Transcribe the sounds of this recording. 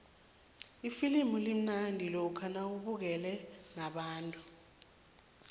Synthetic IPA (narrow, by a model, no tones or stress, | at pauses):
ifilimulim̩nandʱilɔkʰanauɓuk̬ɛlɛnaɓaːntʼu